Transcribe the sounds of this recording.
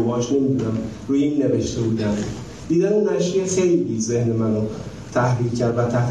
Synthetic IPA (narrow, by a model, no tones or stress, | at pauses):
bɒːʃne̞mid̪uːnæm | ɾuːjeimne̞veʃt̪ʰebuːd̪ænd̪ | d̪̥iːd̪ænenæʃijexejliːzehne̞mæno | t̪ʰæhɾiːlcʰæɾd̪væt̪ʰæht̪